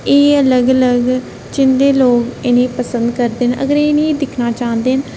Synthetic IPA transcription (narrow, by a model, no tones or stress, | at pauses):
eːələɡələɡ | t͡ʃɪnd̪eːloːkɪnẽːpəsənd̪kəɾd̪eːnə̰ɡəɾeːnĩd̪ɪkʰnaːt͡ʃãːnd̪eːn